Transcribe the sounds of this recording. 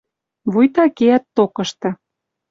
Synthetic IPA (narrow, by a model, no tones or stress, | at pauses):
βujt̪ɑkeæt̪ːokɤ̆ʃt̪ɤ̆